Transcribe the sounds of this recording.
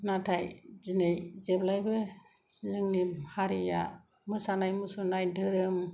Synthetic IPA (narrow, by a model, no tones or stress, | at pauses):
natʰajzinejzeblajbɯ | siɯŋnihaɾija̰ | mɯsanajmusunajdɯɾɯm